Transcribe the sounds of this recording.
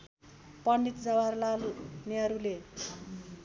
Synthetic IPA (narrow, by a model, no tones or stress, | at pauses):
pʌɳɖit̪d͡zʌwarlalniʌɾule